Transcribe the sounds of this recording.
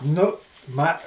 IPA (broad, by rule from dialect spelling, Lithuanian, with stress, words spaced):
ˈnʊ ˈmɐ